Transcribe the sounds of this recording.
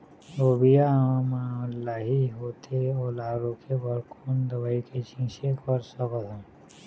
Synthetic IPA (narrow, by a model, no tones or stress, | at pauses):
obijãmalːaːɦiɦoːt̪ʰeolaːɾokʰebɔɾkʰuːnd̪ɐbaːiket͡ʃĩʃekɔɾsɔkɔt̪õ